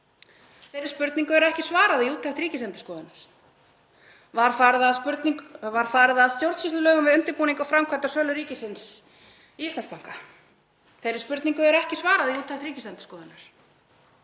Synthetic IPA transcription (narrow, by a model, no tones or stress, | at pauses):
θejɾɪɾ̥spʏɾt̪niŋkʏɛɾʏɛhcɪ̥svaːɾaðiuːt̪ʰːaht̪ɾiːcɪsɛnt̪ʏ̥skɔːðɪnaɾ̥ | vaɾ̥faɾðaðspʏɾt̪niŋvaɾ̥faːɾɪðaːðst̪jowɾ̥t̪sisʏlœːɣʏmvɪðʏnt̪ɪɾpuːniŋkɔfɾamkʰat̪asœːlʏɾiːcɪsɪns | iist̪lanspaŋ̥ka | θejɾɪ̥ɾspʏɾt̪niŋkʏɛɾɛhcɪsvaːɾaðiuːt̪ʰːaht̪ɾiːcɪslɛnt̪ʏ̥skɔːðɪnaɾ̥